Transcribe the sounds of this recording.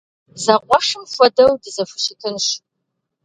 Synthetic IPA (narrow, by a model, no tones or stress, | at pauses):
zɐqʷɔʂɨmfʷɔdɐwdɨzɐfʊ̥ɕɪtʰɨnɕ